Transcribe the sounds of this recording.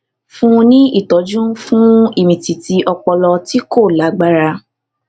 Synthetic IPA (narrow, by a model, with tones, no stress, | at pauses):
fũ˦˧nĩ˦i˦˨tɔ˨˦d͡ʒũ˦fũ˦i˦˨mĩ˨ti˨ti˧ʔɔ˧k͡pɔ˧lɔ˧ti˦ko˦˨la˨˦ɡ͡ba˦ɾa˧